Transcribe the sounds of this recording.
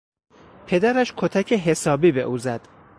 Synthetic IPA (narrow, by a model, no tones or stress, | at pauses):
pʰe̞d̪æɾæʃkʰot̪ʰæcʰeɦe̞sɒːbiːbeʔuːzæd̪̥